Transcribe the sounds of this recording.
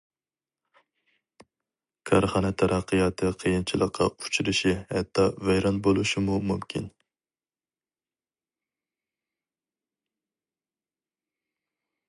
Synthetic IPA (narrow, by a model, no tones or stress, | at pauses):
kʰɑɾχɑːnɛt̪ʰæɾʔɑqʰːɨjɑːt̪ʰɨqʰəjint͡ʃʰilˠəqʰːɑ̰ut͡ʃʰiɾɪʃihɛ̰t̪ʰːɑvɛjɾɑnbolˠuʃimumumkʲʰin